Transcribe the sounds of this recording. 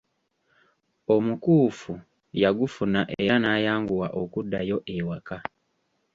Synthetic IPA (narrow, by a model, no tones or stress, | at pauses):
omukuːfu | jaɡufunaʔeeɾanaːjaːŋɡuwaʔokudːajo̞ʔewaka